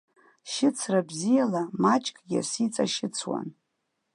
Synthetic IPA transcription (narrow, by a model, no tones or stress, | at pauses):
ʃɪt͡sʰrabzijalamat͡ʃʼkʼɡʲa̰sit͡sʼaʃɪt͡sʰwa̰n